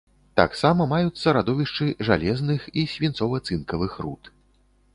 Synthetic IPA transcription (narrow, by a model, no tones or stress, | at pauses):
t̪a̰ksamɐmajut̪sːɐɾad̪ɔvʲiʂt͡ʂɨʐa̰lʲɛznɨxisʲvʲint̪sɔvɐt̪sɨnkɐvɨxrṵt̪